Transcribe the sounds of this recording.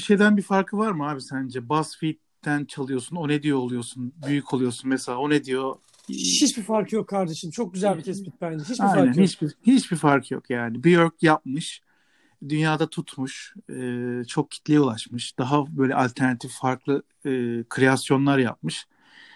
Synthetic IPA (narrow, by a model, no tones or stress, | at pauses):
ʃe̞jd̪ænbifaɾkʰɯvaɾmɯɦaːbisænd͡ʒɛbasfit̪ːænt͡ʃʰalˠɯjo̞suno̞ned̪ijoːlˠujo̞sunbyjycʰo̞lˠujo̞sunmɛselʲaːo̞ned̪ijo̞ | hit͡ʃbifaɾkʰɯjokʰːaɾd̪eʃɯmt͡ʃʰok̚ɟyzælʲbit̪ʰɛspit̪̚bænd͡ʒɛɦit͡ʃaijnænhit͡ʃbihit͡ʃbifaɾkʰɯjo̰kjaːnibiøɾkjap̚mɯʃ | d̪ynjaːd̪at̪ʰut̪ʰmuʃɯːt͡ʃʰo̞k̚cʰi̥t̪lʲijulˠaʃmɯʃd̪̥aɦabø̞jlʲɛ̰alʲt̪ʰæɾnat̪ʰiffaɾklˠɯ | ɯkʰɾeasjo̞nlˠaɾja̰p̚mɯʃ